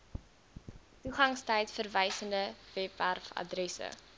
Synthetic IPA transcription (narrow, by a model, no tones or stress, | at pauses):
tuχɐŋstəjtfərvəjsəndəvɛpværfɐ̰drɛsə̰